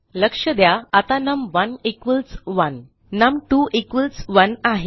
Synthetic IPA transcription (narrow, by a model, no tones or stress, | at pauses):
ləkʂəd̪jaat̪anəmʋənekʋəlsʋənː | əmʈuʔikʋəlsʋənaɦe